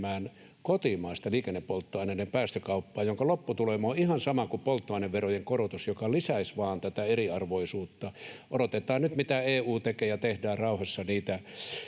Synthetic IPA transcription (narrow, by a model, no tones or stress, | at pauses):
mæːn | kot̪imɑˑist̪ɑliːkenːepːolt̪ːoɑinenempæːst̪økɑupːɑːjoŋkɑlopːut̪ulemoːihɑnsɑmɑkupolt̪ːoɑˑineʋʋerojeŋkorot̪usjokɑlisæisʋɑːnt̪æt̪æeriɑrʋoisuːt̪ːɑodot̪et̪ˑɑːnnyt̪mit̪æeːuːt̪ekeːjɑt̪ehdæːrrɑˑuhɑsːɑniːt̪æ